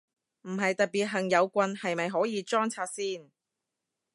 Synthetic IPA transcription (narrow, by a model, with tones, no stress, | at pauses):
m̩˨˩ɦɐ˨jt̪ɐ˨t̚piː˨t̚ɦɐ˨˩ŋjɐ˨˧wkʷɐ˧nhɐ˨jmɐ˨jɦɔː˨˥jiː˨˧t͡ʃɔː˥ŋt͡sʰaː˧t̚siː˥˩n